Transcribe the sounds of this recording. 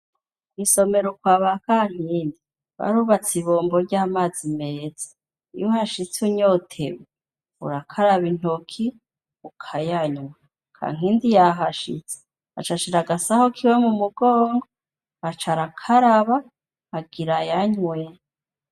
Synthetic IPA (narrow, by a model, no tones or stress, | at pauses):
kwiso̞me̞ɾokwaːβakaŋ̥hiːndi | βa̰ɾuːβat͡siβo̞ːmboɾɟaːmaːzimeːzḁ | ḭjohaʃit͡suɲotʰeβe | ṵɾakʰaɾaβin̥okʰi | ukʰajaɲwa | kʰa̰ŋ̥iːndijaɦaʃḭt͡se̥ | a̰t͡ʃaʃiɾaɡasahokʰiwemumuɡoːŋɡo | at͡ʃaɾakʰaɾaβaː | ɡiɾajaɲwe